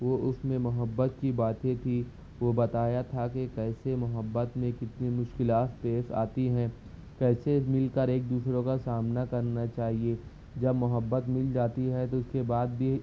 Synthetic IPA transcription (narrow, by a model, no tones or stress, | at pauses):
ʋoʔʊsmẽmʊɦəbːət̪kibaːt̪ẽt̪ʰi | ʋobɐt̪aːjat̪ʰakekɛːsemʊɦəbːət̪mẽkɪt̪nemʊʃkɪlaːt̪speːsa̰ːt̪iɦɛ̃ː | kɛːsemɪlkəɾeːk̚d̪uːsɾõkasaːmnakɐɾnat͡ʃaːɦie | d͡ʒɐbmʊɦəbːət̪mɪld͡ʒaːt̪iɦɛt̪oʊskebaːd̪̚bʱi